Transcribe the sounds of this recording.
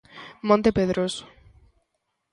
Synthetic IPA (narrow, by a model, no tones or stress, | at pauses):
mõnt̪epeðɾos